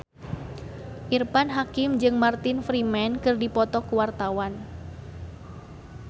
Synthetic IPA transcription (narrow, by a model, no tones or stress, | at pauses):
ʔirpanɦakɪmd͡ʒɨŋmart̪ɪnfɾimɛnkɨrdipɔt̪ɔkuwart̪awan